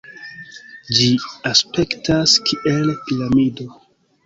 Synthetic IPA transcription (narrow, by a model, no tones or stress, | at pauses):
d͡ʒiaspe̞ktaskʰiʔelpiɾamido̞